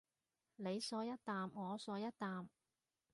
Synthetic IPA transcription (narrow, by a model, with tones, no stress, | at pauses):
ne˨˧jsɔː˨˧˥jɐ˥t̚t̪aː˨mŋɔː˨˧sɔː˨˥jɐ˥t̚t̪aː˨m